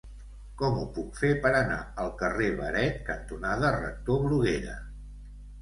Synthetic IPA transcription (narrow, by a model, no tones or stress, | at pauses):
kɔmupukfepəɾəna̰əlˠkəreβə̰ɾɛt̪̚kənt̪unaðərə̰k̚t̪oβɾuɣeɾə̰